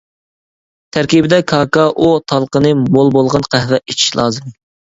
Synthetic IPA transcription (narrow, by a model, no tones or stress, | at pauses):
t̪ʰæɾkʲibɪd̪ɛkʰɑːkɑʔut̪ʰɑlˠqənɨmolˠbolˠʁɑnqʰæhvɛit͡ʃʰi̥ʃlˠɑ̰ːzɨm